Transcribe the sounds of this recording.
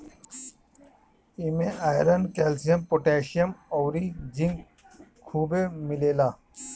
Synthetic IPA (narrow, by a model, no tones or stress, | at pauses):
imeaːjɾɐnkeːlsijɐmpoʈeːɕijɐmowɾid͡ʑiŋɡ | kʰuːbemileːlaː